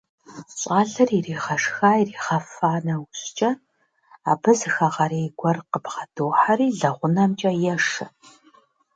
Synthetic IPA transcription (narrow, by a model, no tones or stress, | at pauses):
ɕʼaːɮɐririːʁɐʂxaːjiriːʁɐfaːnɐwʊɕt͡ʃʼɐ | a̰ːbɨzɨxɐʁɐɾeːɡʷɔrqəbʁɐdoːħariːɮɐʁʷʊnɐmt͡ʃʼɐjɛʂɐ